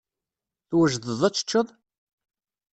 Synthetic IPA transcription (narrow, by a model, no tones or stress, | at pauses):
θwəʒðəðˤæt͡sːə̥t͡ʃːəðˤ